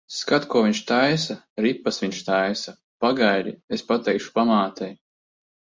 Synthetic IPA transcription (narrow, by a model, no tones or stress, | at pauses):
skat̪kuɔviɲʲʃt̪ajsa | ɾipːasvʲiɲʃt̪ajsa | paɡajɾḭespat̪ɛjkʃu̥pamaːt̪ɛj